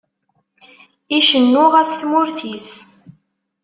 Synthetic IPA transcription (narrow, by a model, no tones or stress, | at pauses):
iʃənːʊʁəɾθmʊɾθis